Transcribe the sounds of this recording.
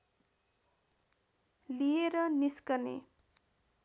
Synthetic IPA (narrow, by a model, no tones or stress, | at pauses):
lijeɾʌniskʌnḛ